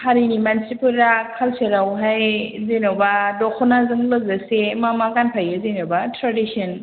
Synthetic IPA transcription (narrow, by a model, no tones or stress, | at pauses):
haɾinimansipʰɯlɾakʰalseɾawɦajzenawbadɔkʰɔnazɯŋlɯzasemamaɡanpʰajɯzenawbatɾadisiɔn